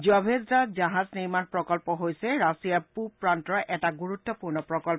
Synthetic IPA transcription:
d͡ʒɔbʱezdad͡ʒaɦazniɹmanpɹɔkɔlpɔɦojsɛɹasijapupɹantɔɹʔɛtaɡuɹut̪ːɔpuɹnɔpɹɔkɔl

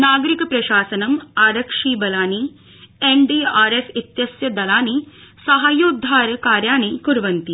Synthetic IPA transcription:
naːɡɐɾikɐpɾɐʃaːsɐnɐmaːɾɐkʂiːbɐlaːni | eɳɖiːaːɾesit̪jɐsjɐd̪ɐlaːnisɐɦɐjuːd̪ʱːaːɾɐkaːɾjaːɳikuɾʋɐnt̪i

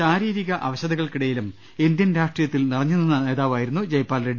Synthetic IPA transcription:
aːɾiːɾiɣɐʔɐʋɐɕɐðɐɣɐɭkiɽɐjilum | ind̪jɐnɾaːʂʈrijɐt̪ːilnirɐɲːunːenːɐne̞ːðaːʋaːjiɾunːud͡ʑɐjpːaːlɾeɖi

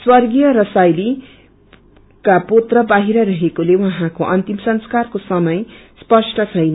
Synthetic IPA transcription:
swʌrɡijʌɾʌsajli | kapot̪rʌbaɦiɾʌɾʌɦekolewʌɦãkoʔʌnt̪imsʌnskarkosʌmʌjspʌsʈʌt͡sʰʌjn

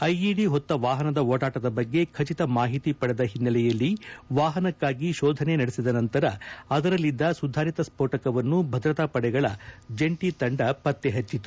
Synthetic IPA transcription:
ɐjiɽiɦɔt̪ːɐʋaːɦɐnɐd̪ɐoːɽaːʈɐd̪ɐbɐɡːe̞kʰɐt͡ʃit̪ɐmaːɦit̪ipɐɽɛd̪ɐɦinːɐlɛjɐlːiʋaːɦɐnɐkːaːɡiʃɔːd̪ʱɐne̞nɐɽesid̪ɐnɐnt̪ɐɾɐɐd̪ɐɾɐlːid̪ːɐsud̪ʱaːɾit̪ɐspoːʈɐkɐʋɐnːubʱɐd̪ɾɐt̪aːpɐɽɛɡɐɭɐd͡ʒeɳʈit̪ɐɳɖɐpɐt̪ːeɦɐt͡ʃːit̪u̥

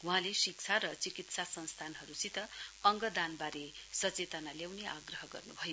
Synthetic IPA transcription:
ũɦãlesik̚t͡sʰaɾʌt͡sikit̪sasʌnst̪ʰanɦʌɾut͡sit̪ʌːŋɡʌd̪anbaɾesʌt͡set̪analjawneʔaɡrʌɦʌɡʌ̰rnubʱʌjo

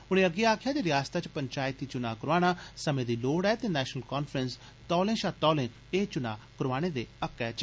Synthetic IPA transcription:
ʊɽ̃ẽːəɡeaːkʰjaːd̪eːɾɪjaːst̪aːt͡ʃpəɲt͡ʃaːɪt̪iːt͡ʃʊnaːkəɾʋaːɽ̃aːsəmẽːd̪iːloːɽɛːt̪eːnɛːʃənəlkɔːnfʰɾəns | t̪ɔːlẽːʃat̪ɔːlẽː | eːt͡ʃʊna̰ːkəɾʋaːɽ̃ẽːd̪eːəkːɛːt͡ʃ

